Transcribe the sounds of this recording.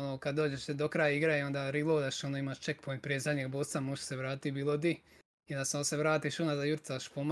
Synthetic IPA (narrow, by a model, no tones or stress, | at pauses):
onokad̪d̪oːd͡ʑeʃed̪okɾajaiɡɾajiond̪aɾilˠoːd̪aʃonoimaʃt͡ʃekpojmpɾʲezaɲeɡboːsamuʃseʋɾaːt̪ibiːlˠod̪i | jond̪aseonseʋɾaːt̪iʃunazajuɾt̪aʃpom